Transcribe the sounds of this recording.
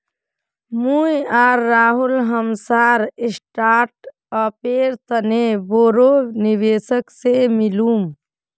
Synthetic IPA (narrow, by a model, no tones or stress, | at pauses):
mujaɾːaːɦulɦəmsaɾisʈaɾʈ | əpeɾt̪əneboɾoniʋesəksemilum